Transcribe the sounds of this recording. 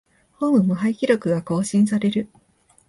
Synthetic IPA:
hõːmɯ̟mɯ̟ɦaikʲiɾʲo̞kɯ̟ɡako̞ːɕĩɰ̃saɾe̞ɾɯ̟

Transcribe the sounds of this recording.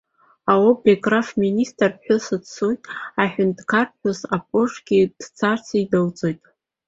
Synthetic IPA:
awobeɡʼrafministʼrpħᶣʊsɨtsujtʼaħᶣʊndʼkʰarpħʷᶣʊzapʼʊʂɡ̥ʲid̥t͡sʰart͡sʰaidawt͡sʼojtʼ

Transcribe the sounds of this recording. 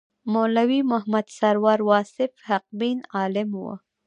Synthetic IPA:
molawimʊɦmad̪saɾwɑɾwɑsɪfhaq̚binɑlɪmwə̰

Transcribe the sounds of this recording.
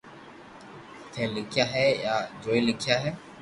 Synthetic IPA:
t̪ʰɛ̃ːlɪkʰɪjaːɦɛːjaːd͡ʒoːilɪkʰɪjaːɦɛː

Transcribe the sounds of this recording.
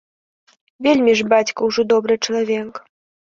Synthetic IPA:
vʲelʲmʲiʐbat͡sʲkɐwʐɔd̪ɔbɾɨt͡ʂɐlˠavʲɛk

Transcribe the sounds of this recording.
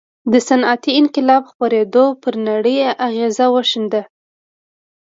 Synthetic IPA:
d̪əsanat̪iɪnqɪlɑbxpɑɾed̪opəɾnaɽəjaʔaɣezawəʃənd̪a

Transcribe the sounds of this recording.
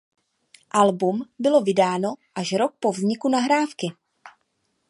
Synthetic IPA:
ʔalbumbɪlo̞vɪdaːno̞ʔaʃɾo̞k̚po̞vzɲɪkunaɦɾaːfkɪ

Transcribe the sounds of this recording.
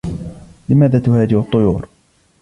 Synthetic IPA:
lɪmaːðaːt̪ʊhaːd͡ʒɪʔʊt̪ˤːʊjṵːɾ

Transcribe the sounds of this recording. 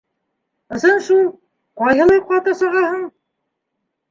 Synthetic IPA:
ɤ̆sɤnʃulˠ | qɒjɦɤ̆lˠɑjqɑt̪ɤsɤ̆ʁɑhɤɴ

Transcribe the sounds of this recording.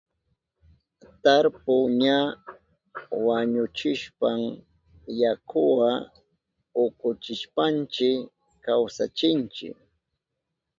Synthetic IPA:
t̪aɾpʊɲa | waɲʊt͡ʃɪʃpam | jakʰʊwa | ʊkʊt͡ʃɪʃpant͡ʃɪ | kawsa̰t͡ʃɪnt͡ʃɪ̰k

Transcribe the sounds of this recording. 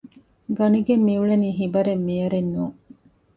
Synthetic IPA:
ɡɐniɡemːiuɭɐniːɦibɐɾemːijɐɾenːuː

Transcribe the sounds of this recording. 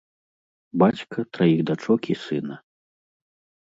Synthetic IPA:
bat͡sʲkɐt̪ɾajiɣd̪at͡ʂɔkʲisɨnɐ

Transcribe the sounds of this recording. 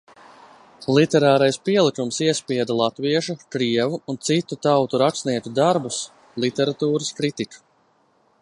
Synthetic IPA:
lˠit̪ɛɾaːɾajspiɛlˠikumsiɛspiɛd̪alˠat̪viɛʃukɾiɛvuːnt̪sit̪ut̪awt̪uɾaksniɛt̪ud̪aɾbus | lˠit̪ɛɾat̪uːɾɐskɾit̪iku̥

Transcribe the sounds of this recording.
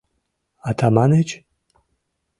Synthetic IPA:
at̪ʰamanet͡ʃ

